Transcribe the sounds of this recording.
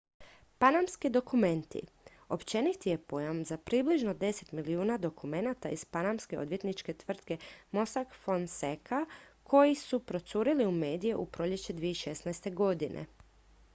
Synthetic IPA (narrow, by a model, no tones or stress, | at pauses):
panamskid̪o̞kume̞nt̪ḭ | o̞pt͡ɕe̞nit̪ije̞po̞jamzapɾibliʒno̞d̪e̞se̞t̪miliuːnad̪o̞kume̞nat̪aiz̥panamske̞od̪ʋje̞t̪nit͡ʃke̞t̪ʋr̩t̪ke̞mo̞sakfonsekʰakʰo̞jisupɾo̞t̪suɾiliume̞ːd̪ijeʔupɾo̞ʎe̞t͡ɕe̞d̪ʋijeiʃe̞snajst̪e̞ɡo̞d̪inʔḛ